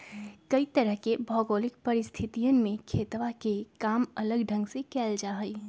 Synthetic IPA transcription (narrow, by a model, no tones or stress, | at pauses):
kəit̪əɾəɦkebʱɔɡolikpəɾist̪ʰit̪ijənmekʰet̪ʋakekamələɡɖʱə̃ŋɡsekɛld͡ʒaɦəj